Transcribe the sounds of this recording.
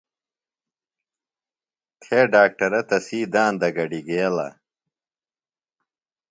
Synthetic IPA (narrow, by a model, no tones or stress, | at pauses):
t̪ʰeːɖaːk̚ʈɐɾɐt̪ɐsiːd̪aːnd̪ɐɡɐɖiɡeːlɐ̰